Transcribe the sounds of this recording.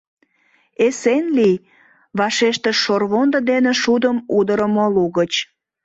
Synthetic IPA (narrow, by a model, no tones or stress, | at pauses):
esenli | βɑʃeʃt̪eʃorβond̪əd̪eneʃud̪əmud̪əɾəmoluɣət͡ɕ